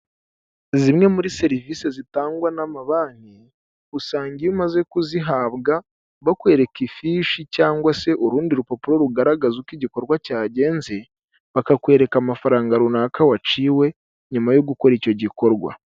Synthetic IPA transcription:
zimŋe̞muɾise̞ɾiviːsezitaːŋɡwanamaβaːn̥i | usaːɲɟiumaze̞kuziɦaβɡa | βakwe̞ːɾe̞kifiʃicaːŋɡwase̞ʔuɾuːndiɾupo̞puɾo̞ɾuɡaɾaɡazukiɟiko̞ɾɡwacaːɟe̞ːnze | βakakwe̞ːɾe̞kamafaɾaːŋɡaɾunaːkawat͡ʃiːwe̞ | ɲumajo̞ɡuko̞ɾiːco̞ɟiko̞ɾɡwa̰

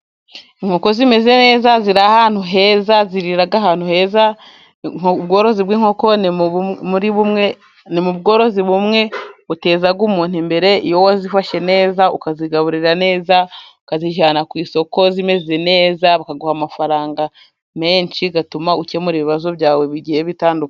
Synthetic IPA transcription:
iŋ̥ho̞ko̞zime̞ze̞ne̞ːzaziɾahaːn̥huɦe̞ːzaziɾiɾaɡaɦaːn̥huhe̞ːza | bɡo̞ːɾo̞zibwiːŋ̥ho̞ko̞nmuɾiβumŋe | nimubɡo̞ːɾo̞ziβumŋe̞ute̞ːzaɡuːmuːn̥umbe̞ɾe̞ʔijowozifaʃe̞ne̞ːzaukaziɡaβuɾiɾane̞ːzaukaziʒaːnakwiːso̞ko̞zime̞ze̞ne̞ːzaβakaɡuhamafaɾaːŋɡa | me̞ːɲʃiɡatumaucemuɾiβiβazo̞βjaːwe̞βiɟijeβitaːnduka

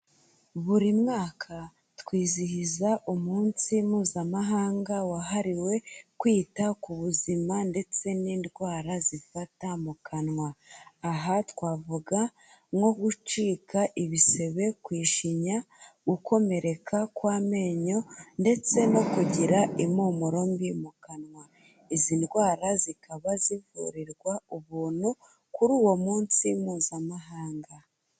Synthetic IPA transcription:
βuɾimŋaːkʰa | tkwiːzihizaʔumuːnsimuːzamaɦaːŋɡawaɦaɾiwe̞kwiːtakuβuzimande̞t͡se̞niːnɡwaːɾazifatamukʰanŋwaːɦatkwaːvuɡa | ŋɡo̞ɡut͡ʃiːkaʔiβise̞βe̞kwiːʃiɲa | ɡukʰo̞me̞ɾe̞kʰakwaːme̞ːɲo̞nde̞t͡se̞no̞kuɟiɾaʔimomuɾombimukanŋwa | iziːndwaːɾazikaβazivṵːɾiɾɡwauβuːnhu | kuɾuːwo̞muːnsimuːzamaɦaːŋɡa

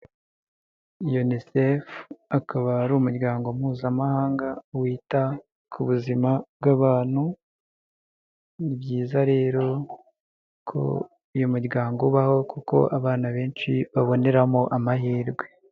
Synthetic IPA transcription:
jonisefakʰaβaɾuːmuɾɡaːŋɡo̞mhuːzamahaːŋɡawiːta | kʰuβuzimabɡaβaːn̥hu | ibjiːzaɾe̞ːɾo̞ | kʰo̞̰ | ujumuɾɡaːŋɡuβaho̞kuko̞̰ʔaβaːnaβe̞ːnʃiβaβo̞ne̞ɾamo̞ʔamahiːɾɡwe̞

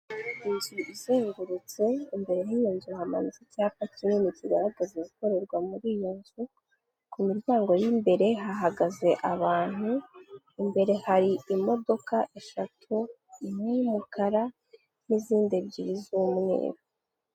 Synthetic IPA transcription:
inzuizeːŋɡuɾut͡se̞imbe̞ɾe̞nijonzuɾahamanzicaːpacineniciɡaɾaɡazeziko̞ɾe̞ɾɡwamuɾijonzu | kumiɾjaːŋɡo̞jimbe̞ɾe̞ɦaɦaɡaze̞ʔaβaːn̥hu | imbe̞ɾe̞haɾiimo̞do̞kaʔeʃatʰu | mimukaɾa | niziːnde̞bɟiɾizuːmŋe̞̰ːɾo

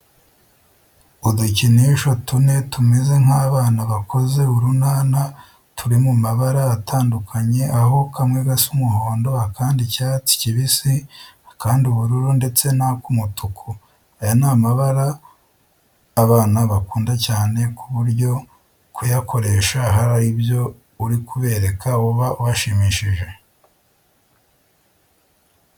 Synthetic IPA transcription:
uduciniːʃo̞tune̞tume̞ze̞ŋhaːβaːnaβako̞ze̞uɾunaːna | tʰuɾimumaβaɾaːtʰaːndukʰaɲe̞aho̞kamŋeɡasumuho̞ːndo̞akaːndicaːt͡si̥ciβisiakaːndiuβuɾuɾunde̞t͡se̞nakumutʰukʰu | ajanamaβaɾa | βaːnaβakuːndacaːne̞kuβuɾɟo̞ | kujako̞ɾe̞ːʃaɦaɾaɾibjo̞ | uɾikuβe̞ɾe̞kʰawoβauβaʃimiʃiʒe̞

